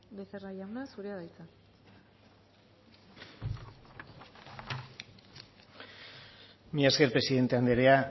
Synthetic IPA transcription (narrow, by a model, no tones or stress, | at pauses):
beserajawnasuɾeaðajt͡sa | miaskeɾpɾe̞siðe̞nt̪e̞and̪eɾea